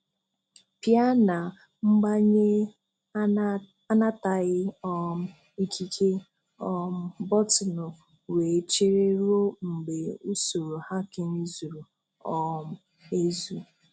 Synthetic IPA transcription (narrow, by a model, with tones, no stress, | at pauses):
pja˦na˨ | ŋ͡m̩˦ɡ͡ba˦ɲe˦ | a˦na˦ta˨ɣɪ˦ɔ˦m̩˦ | i˦ki˦kʰe˦ | ɔ˦m̩˦bɔ˦tɪ˨nɔ˨ | we˨t͡ʃe˦ɾe˦ɾu˦o˦ŋ͡m̩˨ɡ͡be˨u˦su˨ɾu˨ha˦ke˨ni˦zu˨ɾu˨ | ɔ˦˨m̩˦ | e˦zu˦